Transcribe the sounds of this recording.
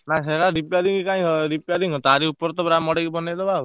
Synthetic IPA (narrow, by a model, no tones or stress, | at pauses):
naseɾaɾipaɾiŋkikaĩsɔɾipaɾiŋɔt̪aɾiupɔɾɔt̪ɔbɾamɔɽekibɔnad̪ɔbau